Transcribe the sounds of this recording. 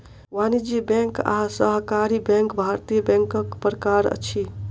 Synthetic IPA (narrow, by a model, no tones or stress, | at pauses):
ʋanid͡ʒibɛ̃ŋka̰səɦkaɾibɛ̃ŋkbʱaɾt̪ijəbɛ̃ŋkəkpɾəkaɾə̰t͡ʃʰi